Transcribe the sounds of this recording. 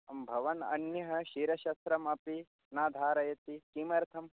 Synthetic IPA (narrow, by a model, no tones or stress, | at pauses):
ɐmbʱɐʋɐnɐ̰njɐɦɐʃiːɾɐʃɐst̪ɾɐmɐpi | naːd̪ʱaːɾɐjɐt̪ikimɐɾt̪ʰɐm